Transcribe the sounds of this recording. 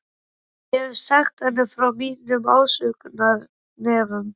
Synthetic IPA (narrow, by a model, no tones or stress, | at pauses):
jɛsaxt̪θɛnːɪfɾawmiːnʏmaːwsʏːkʏnaɾ | nɛːvʏm